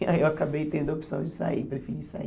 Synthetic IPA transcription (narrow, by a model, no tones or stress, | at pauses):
a̰ewakabejt̪ẽnd̪ʊopi̥sɐ̃w̃d͡ʒɪsa̰ipɾefiɾisa̰ḭ